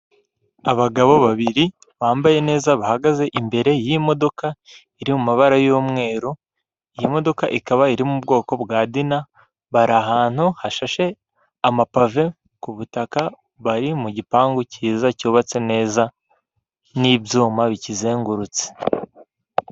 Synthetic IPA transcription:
aβaɡaβo̞βaβiɾi | βaːmbaje̞ne̞ːzaβahaɡaze̞ʔimbe̞ɾe̞jimo̞do̞ka | iɾimumaβaɾajoːmŋe̞ːɾo | ijimo̞do̞kaʔikaβaiɾimubɡo̞ːko̞bɡaːdina | βaɾaɦaːn̥huhaʃaʃe̞ | amapave̞ | kuβutaka | βaɾimuɟipaːŋɡociːzacoβat͡se̞ne̞ːza | nibjuːmaβicize̞ːŋɡuɾut͡se̥

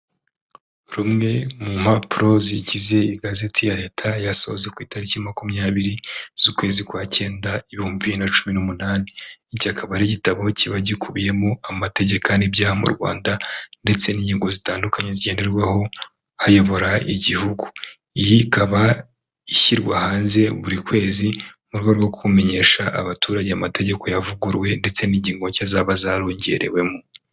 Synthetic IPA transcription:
ɾumŋe̞mum̥hapuɾo̞ziɟize̞iɡaze̞tʰijaɾe̞ːtʰajaso̞̰zekwiːtaɾicimakumɲaːβiɾiz̥ukwe̞ːzikwaːce̞ːndaiβihoːmbiβiinat͡ʃuminumunaːniːcakʰaβaɾeɟitaβo̞ciβaɟikuβije̞moamate̞ɟe̞kanibjaːhamṵɾɡwa̰ːndande̞t͡se̞niːɲɟiːŋɡo̞zitaːndukaɲe̞ziɟe̞ːnde̞ɾɡwaho̞ | hajo̞βo̞ɾaiɟihuɡu̥ | ijikaβa | içiɾɡwahaːnze̞βuɾikwe̞ːzimuɾɡaɾɡwokukume̞ɲe̞ːʃaʔaβatuːɾaɟeamate̞ɟe̞ko̞javuɡuɾwe̞nde̞t͡se̞niːɲɟiːŋɡo̞cazaβazaɾo̞ːɲɟe̞̰ɾe̞̰we̞mu

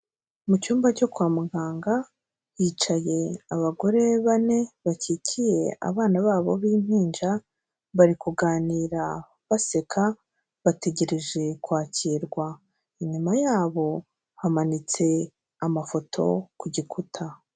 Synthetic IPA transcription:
mucuːmbaco̞kwaːmuɡaːŋɡa | jiːt͡ʃaje̞aβaɡo̞ɾe̞βane̞βacicʰije̞a̰βaːnaβaːβo̞̰βiːm̥hiːnd͡ʒa | βaɾikuɡaːniːɾa | βase̞kʰa | βate̞ɟe̞ɾe̞ʒe̞kwaːciɾɡwa | iɲumajaːβo̞ | hamanit͡se̞ | amafo̞tʰo̞̰kuɟikʰutʰa

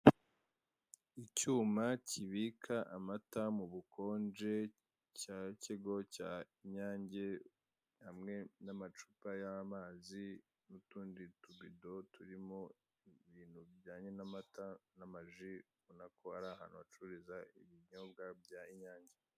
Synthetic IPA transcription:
icuːmacʰiβikʰaʔamatamuβukʰo̞ːnd͡ʒe̞ | caceɡo̞caiɲaːɲɟe̞ | hamŋenamat͡ʃu̥pajamaːzi | nutuːndituβido̞tuɾimo | iβiːn̤̥hubɟaːɲe̞namatanamaʒi | βonakoaɾaha̰nuat͡ʃuɾizaiβiɲobɡabɟaiɲaːɲɟe

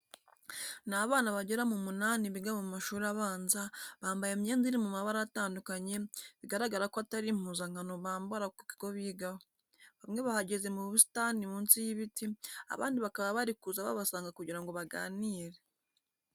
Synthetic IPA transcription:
naβaːnaβaɟeɾamumunaːniβiɡamuumaʃuːɾiaβaːnzaβaːmbajemɲe̞ːnziɾimumaβaɾajataːndukaɲe̞βiɡaɾaɡaɾakoataɾim̥huːzaŋ̥hano̞βaːmbaɾakuβiɡo̞βiːɡaho | βamŋe̞βahaɟe̞ze̞muββusi̥tanimuːnsijiβitia̰βa̰ːndiβakaβaβaɾikuzaβa̰βasaːŋɡakuɟiɾaŋɡo̞βaɡa̰ːniːɾe

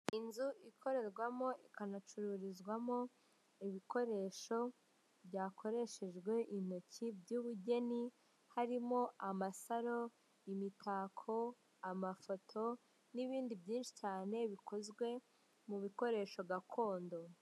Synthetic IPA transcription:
inzuʔikʰo̞ɾe̞ɾɡwamo̞ʔikanat͡ʃuɾuɾizɡwamo̞ | iβiko̞ɾe̞ːʃo̞ | bjaːkʰo̞ɾe̞ʃe̞ʒɡwe̞ʔin̥o̞cʰibjuːβuɟe̞ni | haɾimo̞ʔamasaɾo̞ | imitʰaːkʰo̞ | amafo̞tʰo̞ | niβiːndibɟiːnʃi̥caːne̞βiko̞zɡwe̞ | muβiko̞ɾe̞ːʃo̞ɡakʰo̞ːndo̞

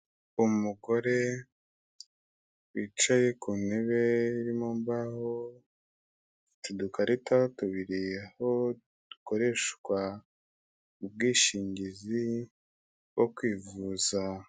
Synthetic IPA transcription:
umuɡo̞ɾe̞ | wit͡ʃaje̞kuneβe̞iɾimombaho | tudukaɾʔitatuβiɾije̞ho̞ | d̥uko̞ɾe̞ʃkwa | ub̚ɡiːʃiːɲɟizi | wokwiːvuːza

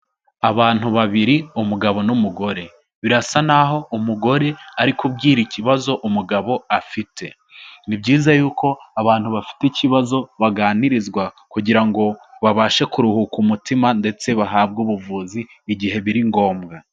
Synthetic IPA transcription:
aβaːn̥huβaβiɾiumuɡaβo̞numuɡo̞ɾe̞ | βiɾasanaɦo̞ʔumuɡo̞ɾe̞aɾikubɡiːɾiciβazo̞ʔumuɡaβo̞afitʰe̞̰ | nibɟiːzajuːko̞aβaːn̥huβafi̥teciβazo̞βaɡaːniɾizɡwa | kuɟiɾaŋɡo̞βaβaːʃe̞kuɾuhukumutimande̞t͡se̞βaɦaːbɡuβuvuːziː | ɟiɦe̞βiɾiŋɡo̞ːmɡa

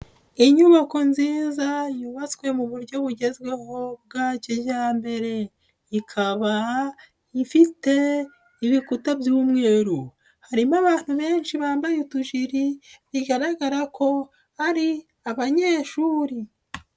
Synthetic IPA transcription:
iɲuβako̞nziːzajuβat͡swe̞muβuɾɟo̞βuɟe̞zwe̞ho̞b̚ɡaːceɟaːmbe̞ɾe̞ | ikʰaβa | ifite̞ | iβikutabjuːmŋe̞ːɾu | haɾimaβaːn̥huβe̞ːnʃiβaːmbajutuʒiɾiβiɡaɾaɡaɾakʰo̞ | haɾi | aβaɲe̞ːʃuːɾi

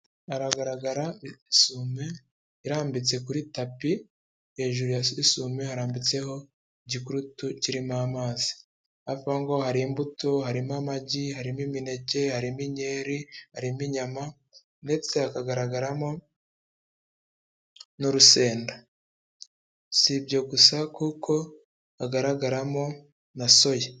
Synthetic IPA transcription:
aɾaɡaɾaɡaɾaisume̞ | iɾaːmbit͡se̞kuɾitapi | he̞ːʒuɾujaisumehaɾaːmbit͡se̞ho̞ | iɟikuɾutuciɾimaːmaːzi̥ | avaŋɡo̞haɾimbutohaɾimamaɟihaɾimimine̞ɟe̞haɾimiɲe̞ːɾihaɾimiɲama | nde̞t͡se̞akaɡaɾaɡaɾamo̞ | nuɾuse̞ːnda | sibɟo̞ɡusakukʰo̞ | aɡaɾaɡaɾamo̞ | naso̞je

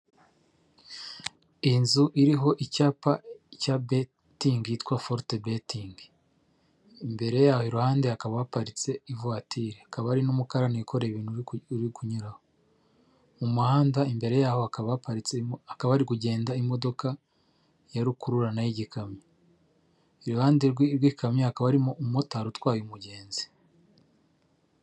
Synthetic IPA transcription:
inzuʔiɾiɦo̞ʔicaːpacabe | tiŋɡiːtkwafoɾtebetiŋɡ | imbe̞ɾe̞jaːhoiɾuhaːndeakaβaapaɾit͡se̞ivwaːtʰiɾeakaβaaɾinumukaɾaneikʰo̞ɾeβiːn̥uuɾikuɲuɾaho | mumuhaːndaimbe̞ɾe̞jaːho̞akaβapaɾit͡seakaβaaɾikuɟe̞ːndaimo̞do̞ka | jaɾukuɾuɾanajiɟikʰamɲa | iɾuhaːndeɾɡiɾɡwikamɲaakaβaɾimoummotaːɾutwaːjumuɟe̞ːnzi̥

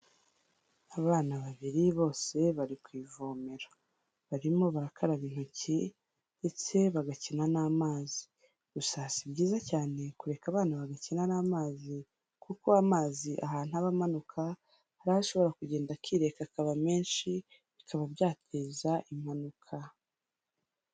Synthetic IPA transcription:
aβaːnaβaβiɾiβo̞ːse̞βaɾikwiːvoːmeɾo | βaɾimo̞βaɾakʰaɾaβiːn̥huci | nde̞t͡se̞βaɡacinanaːmaːzi̥ | ɡusaːsibɟiːzacaːne̞kuɾe̞kaβaːnaβaɡacinanaːmaːzi | kukoamaːziʔa̰ɦaːn̥uaβamanukʰa | haɾahaʃo̞βo̞ɾakuɟe̞ːndakiɾe̞kakaβame̞ːnʃi | βikʰaβabjaːtʰe̞ːzaʔim̥anukʰa

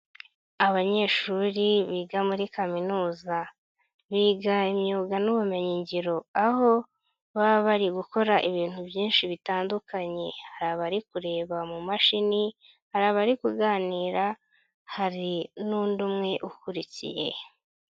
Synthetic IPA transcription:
aβaɲe̞ːʃuɾiβiːɡamuɾikaminuːza | βiːɡaimɲuːɡanuβume̞ɲiɲɟiɾo̞aho̞ | βaβaɾiɡuko̞ɾaʔiβiːn̥hubjiːnʃiβitaːndukaɲe̞haɾaβaɾikuɾe̞ːβamumaʃini | haɾaβaɾikuɡaːniːɾa | haɾinundumŋe̞ʔukuɾicḭje̞̰

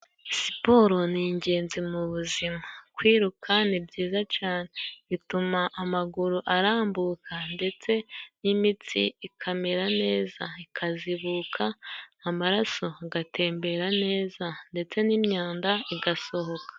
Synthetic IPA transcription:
si̥po̞ɾo̞niɲɟe̞ːnzimuβuzimakwiːɾukʰanibɟiːzat͡ʃaːneβitumaʔːmaɡuɾuʔaɾaːmbuːkʰande̞t͡se̞nimit͡sḭikʰameɾane̞ːzaikʰaziβuːkʰaːmaɾaso̞aɡatʰe̞ːmbe̞ɾane̞ːzande̞t͡se̞nimɲaːndaiɡaso̞ho̞kḁ

